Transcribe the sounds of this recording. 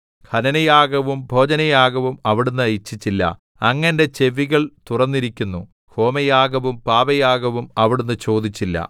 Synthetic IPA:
kʰɐnɐnɐjaːɡɐʋumbʱo̞ːd͡ʑɐnɐjaːɡɐʋumɐʋiɽunːɨɐjit͡ɕːit͡ɕːilːɐ̰ | ɐŋːɐnde̞t͡ɕe̞ʋiɣɐɭt̪urɐnːiɾikʲːunːu | ho̞ːmɐjaːɡɐʋumpaːbɐjaːɡɐʋumɐʋiɽunːɨt͡ɕo̞ːd̪it͡ɕːilːɐ̰

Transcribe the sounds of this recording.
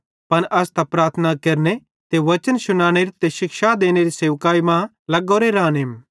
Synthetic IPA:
pɐnʔɐst̪ɐpɾaːɾt̪ʰənakɐɾne | t̪eʋɐt͡ʃənʃʊnaːɽ̃eɾit̪eʃɪkʃad̪eːñeɾiseːʋkaːimã | lɐɡoːɾeɾãːneːm

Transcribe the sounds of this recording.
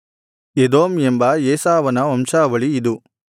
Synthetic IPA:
ed̪oːmembɐjeːsaːʋɐnɐɐmʃaːʋɐɭiːd̪u

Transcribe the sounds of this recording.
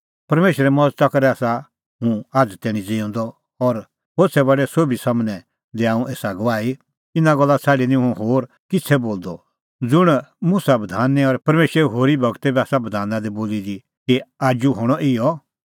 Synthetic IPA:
pɐɾmeːʃɾɛmɔd͡zt̪akɐɾɛaːsa | ɦʊ̃aːd͡zt̪ɛːɽ̃ĩd͡ziɔ̃ːn̆d̪ɔ | ɔɾ | ɦoːɾt͡sʰɛbɐɖɛsoːbʱisamnɛ̃ | d̪eaːũʔeːsaɡɐʋaːi | ɪnaɡɔlːat͡sʰaːɖinĩɦũɦoːɾ | kɪt͡sʰɛboːld̪ɔ | d͡zʊɽ̃musabɐd̪ʱaːnːɛɔɾpɐɾmeːʃɾɛɦoːɾibʱɐɡt̪ɛbɛaːsabɐd̪ʱaːnãd̪iboːlid̪i | kiaːd͡ʒuɦɔɽ̃ɔʔɪjɔ

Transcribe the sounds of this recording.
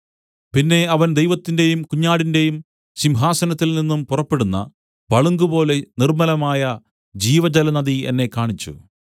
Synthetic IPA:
pinːe̞ɐʋɐnd̪ejʋɐt̪ːinde̞jumkuɲːaːɽinde̞jum | ɕimɦaːsɐnɐt̪ːilninːumpurɐpːe̞ɽunːɐ̰ | ʋɐɭuŋɡubo̞ːle̞nirmɐlɐmaːjɐ | d͡ʑiːʋɐd͡ʑɐlɐnɐðiḛnːe̞kːaːɳit͡ɕːṵ

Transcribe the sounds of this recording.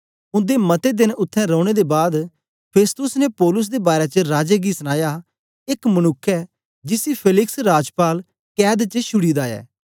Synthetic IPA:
ʊ̃nd̪emɐt̪ed̪ɪnʊt̪ʰːɛ̃ɾɔ̃ːɽ̃ed̪ebaːd̪ | pʰeːst̪ʊsnepɔːlʊs̬d̪eːbaːɾet͡ʃəɾaːd͡ʒeːɡiːsəñaːja | ɪkmənʊkʰːɛ | d͡ʒɪsipʰeːlɪksɾaːd͡ʒpaːl | kɛːd̪t͡ʃəʃʰʊɽiːd̪aːɛ̰ː

